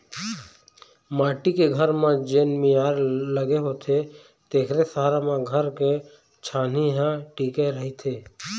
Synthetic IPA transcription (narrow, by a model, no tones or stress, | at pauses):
maːʈikeɡʱəɾmãd͡ʒeːnmijaːɾləɡeɦoːt̪ʰe | t̪eːkʰɾesaːɾamẽɡʱəɾke | t͡ʃʰaːniɦãʈiːkeɾəɦit̪ʰeː